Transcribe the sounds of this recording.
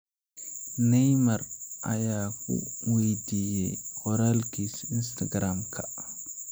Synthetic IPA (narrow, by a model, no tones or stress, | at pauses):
nɛjmaɾʔa̰jaːkṵwejdijɛ̰kɔɾalkisinstaɡɾamkʰa